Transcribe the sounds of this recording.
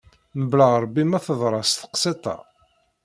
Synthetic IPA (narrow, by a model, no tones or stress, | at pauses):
nəbləʁɾˤbːimæθəðˤɾˤɑst̪ə̥qset̪ˤɑ̰